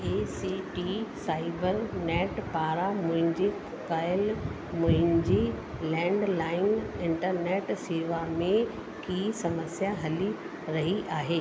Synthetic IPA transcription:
eːsiʈisaːɪbəɾnɛːʈpaːɾamʊ̃ɦɪ̃ɲd͡ʑi | kaːɪl | mʊ̃ɦɪ̃ɲd͡ʑiː | lɛ̃ːɳɖlaːɪnɪ̃ɳʈəɾneːʈseːʋamẽ | kiːsɐməsjaɦɐli | ɾɐɦiʔaːɦeː

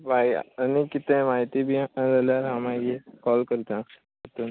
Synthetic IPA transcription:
baj̰ənikit̪ẽmaɦit̪ibʱid͡zaljaɾɦãmaɡekɔlkəɾt̪ã | ət̪un

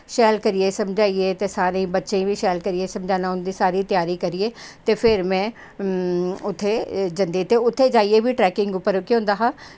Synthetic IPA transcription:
ʃɛːlkɐɾiesɐ̃md͡ʒʱaːiet̪esaːɾẽbɐtːʃẽbʱiʃɛːlkɐɾiesɐ̃md͡ʒʱãːnaɦʊ̃nd̪isaːɾit̪jaːɾikɐɾiet̪efɪɾmɛ̃ | ʊt̪ʰːed͡ʒɐ̃nd̪it̪eʊt̪ʰːed͡ʒaːiebʱiʈɾɛːkɪ̃ŋɡʊpəɾokeɦõːn̆d̪aːɦa

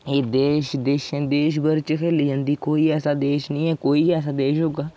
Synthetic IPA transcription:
eːd̪eːʃd̪eːʃẽːd̪eːʃ̬bəɾt͡ʃkʰeːliːd͡ʒãːnd̪iːkoːiːɛːsaːd̪eːʃnĩːɛːkoːiːɛːsaːd̪eːʃɦoːɡaː

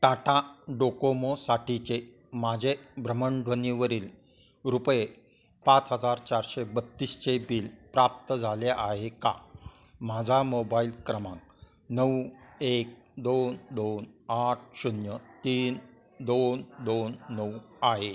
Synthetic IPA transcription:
ʈaʈaɖokomosaʈit͡ɕe | mad͡ʑʱebɾəməɳɖʱʋəniʋəɾiːl | ɾupje | pat͡sɦəd͡zaɾt͡ɕaɾɕebət̪ːiːst͡ɕebiːlpɾap̚t̪əd͡zʱaleʔaɦeka̰mad͡zʱamobailkɾəmã̰k̚ | nəwek̚ | d̪ond̪onaʈ̚ʰɕunjət̪iːn | d̪ond̪onːəwaɦe

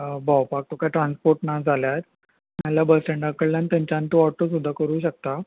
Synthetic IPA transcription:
bʱawpak̚t̪okajʈɾãnspoɾʈnad͡zʱaljat̪ | mjalabəsʈə̃ɳɖakəɭlanit̪jaɲt͡ɕant̪əɔʈːos̬ud̪ʱːakəɾuːɕək̚t̪a

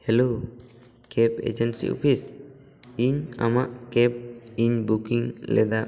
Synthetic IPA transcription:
hɛlo | kɛpḛd͡ʒɛnsḭo̰pʰis | iɲamaʔkɛp̚iɲbukiŋlɛ̰d̪aʔ

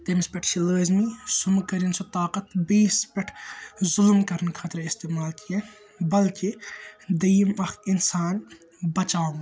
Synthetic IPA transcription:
t̪emspɐʈʰʃiləːzmisʊmkɐɾinsot̪aːqɐt̪biːspɐʈʰzʊlmkɐɾənkʰɐt̪ɾɐɪst̪eːmaːlkije | bɐlkid̪ɐjmɐxɪnsaːn | bɐt͡ʃaːwm

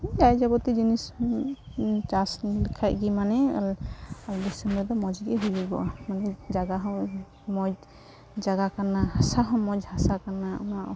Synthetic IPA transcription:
d͡ʒajd͡ʒabɔt̪id͡ʒinis | t͡ʃasnilikʰajʔ̚ɡimanɛalaldɛsɛmɔd̪ɔmɔd͡ʒɡɛɦujɔbɔ̰ʔamanɛd͡ʒaɡaɦɔ̃w | mɔd͡ʒ | d͡ʒaɡakanahasaɦɔ̃mɔd͡ʒhasakanaɔ̰naʔɔ

